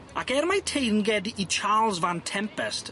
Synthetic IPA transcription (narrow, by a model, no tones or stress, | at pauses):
akɛɾmajtʰejnɡɛdit͡ʃʰaːlˠzvantʰɛmpɛst